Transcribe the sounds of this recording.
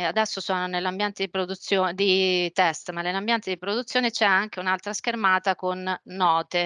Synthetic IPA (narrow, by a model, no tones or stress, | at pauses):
ad̪ɛsːosɔːnonelːambjɛnt̪ed̪ipɾod̪ut̪sːjoːd̪it̪ɛst̪manːelːambjɛnt̪ed̪ipɾod̪ut̪sːjoːnet͡ʃɛaŋk̟eunalt̪ɾask̟ermaːt̪akonːɔːt̪e